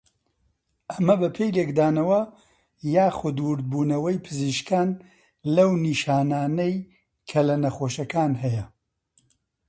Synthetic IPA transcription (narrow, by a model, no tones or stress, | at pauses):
ʔɐmɐbɐpʰejlekd̪aːnɐwɐ | jaːxʊd̪wʊɾd̪̚buːnɐwɐjpʰɨziːʃkaːn | lɐwniːʃaːnaːnɐj | kʰɐlɐnɐxoːʃɐkaːnɦɛjɐ